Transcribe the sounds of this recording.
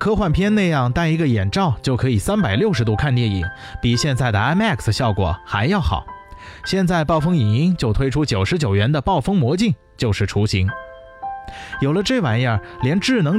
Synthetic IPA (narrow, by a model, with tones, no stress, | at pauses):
kʰɤ˥xwa˥˩npʰjɛ˥nna˥˧ɪjɑ˥˩ŋt̪a˥ni˧˥ɡə˧jɛ˨˩nʈ͡ʂɑ˥˧ʊt͡ɕjo˥˩ʊkʰɤ˧˥i˨˩sa˥npa˨˩ɪljo˥˩ʊʂɻ̩˧˥t̪u˥˧kʰa˥˧nt̪jɛ˥˩nḭ˨˩˦ŋ | pi˨˩ɕjɛ˥˧nt͡sa˥˩ɪd̪ə˩a˥mɛ˥˩ksɕjɑ˥˩ʊkwɔ̰˨˩˦xa̰˧˥ɪjɑ˥˩ʊxɑ̰˨˩˦ʊɕjɛ˥˧nt͡sa˥˧ɪpɑ˥˩ʊfɤ˥ŋi˨˩ni˧˥ŋt͡ɕjo˥˧ʊt̪ʰwe˥ɪʈ͡ʂʰu˥t͡ɕjo˨˩ʊʂɻ̩˧˥t͡ɕjo˨˩ʊɥɛ˧˥nd̪ə˧pɑ˥˩ʊfɤ˥ŋmwɔ˧˥t͡ɕi˥˧ŋ | t͡ɕjo˥˧ʊʂɻ̩˥˩ʈ͡ʂʰu˧˥ɕi˧˥ŋ | jo˨˩ʊlə˦ʈ͡ʂɤ˥˩wa˨˩njə˞˥˩ljɛ˧˥nʈ͡ʂɻ̩˥˩nɤ˧˥ŋ